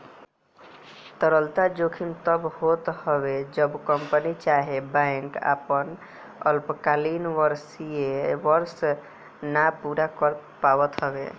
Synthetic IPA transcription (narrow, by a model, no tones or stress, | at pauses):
t̪əɾəlt̪ad͡ʒokʰimt̪əbhot̪həbed͡ʒəbkəmpənit͡ʃaɦebãŋka̰pən | əlpkalinʋəɾsieʋəɾs | napuɾakəɾ | pawət̪ɦəbḛ